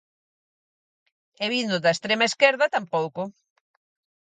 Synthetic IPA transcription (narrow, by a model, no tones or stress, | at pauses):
ɛβind̪ʊðɐest̪ɾemaeskɛɾðɐt̪ampowkʊ